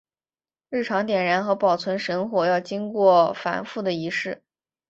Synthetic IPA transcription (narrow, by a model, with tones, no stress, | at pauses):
ɻɻ̩˥˩ʈ͡ʂʰɑ˧˥ŋt̪jɛ˨˩nɻa˧˥nxɤ˧˥pɑ˨˩ʊt͡sʰwə˧˥nʂə˧˥nxwɔ˨˩jɑ˥˩ʊt͡ɕi˥ŋkwɔ˥˩fa̰˧˥nfu˥˩d̪ə˩i˧˥ʂɻ̩˥˩